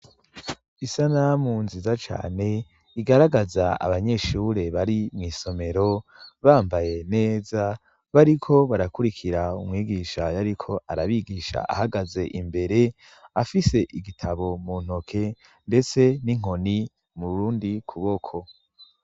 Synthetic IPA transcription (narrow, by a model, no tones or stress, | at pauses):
isanamunzizat͡ʃa̰ːne̞ | iɡaɾaɡazaa̰βaɲe̞ʃuɾe̞βaɾimŋiːso̞me̞ɾo̞βaːmbaje̞ne̞ːza | βaɾikʰo̞βaɾakuɾikʰiɾaumŋiːɡiʃajaɾikʰo̞ʔaɾaβiɡiʃa̰ʔa̰haɡaze̞ʔimbe̞ɾe̞ | afise̞ʔiɡitʰaβomun̥o̞kʰe̞ | nde̞t͡se̞niŋ̥o̞ni | muɾuːndikʰuβokʰo̞